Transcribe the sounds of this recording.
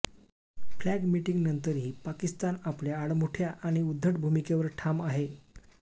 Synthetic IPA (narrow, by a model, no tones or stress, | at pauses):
flæɡmiʈiŋɡnənt̪əɾɦiːpakist̪anapljaːɽmuʈʰjaʔaɽ̃iud̪ʱːəʈbʱumikeʋəɾʈʰamaɦe